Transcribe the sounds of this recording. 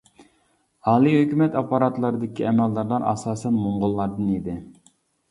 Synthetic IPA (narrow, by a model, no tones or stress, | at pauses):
ɑːlˠiɦøkʲymɛt̪ɑpːɑɾɑt̪lˠɑɾɨd̪ɪkʲʰiɛmɛlːɑɾlˠɑɾɑ̰sɑːsɛnmoɴʁʊlˠːɑɾd̪ɨnid̪ɪ